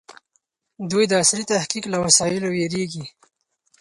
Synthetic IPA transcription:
d̪ujd̪əasɾit̪ahkiklawasɑjɪloweɾeɡi

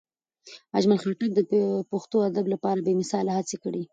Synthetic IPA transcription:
ad͡ʒmalxaʈak̚d̪əpoxt̪oad̪ablapɑɾabemɪsɑlahat͡sekɽi

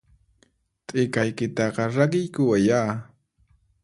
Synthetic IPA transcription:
t̪ʼɪkajkɪt̪ɑqɑɾakɪjkʊajaː

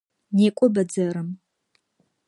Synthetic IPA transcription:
neːkʷʼɔbɐd͡zɐɾɨm

